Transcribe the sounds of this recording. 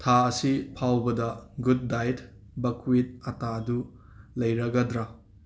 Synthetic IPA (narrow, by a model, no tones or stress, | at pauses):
tʰaɐsipʰawbɐdɐɡud̚ːajt | bɐkwit̚ɐtaɐdu | lɐjɾɐɡɐdɾɐ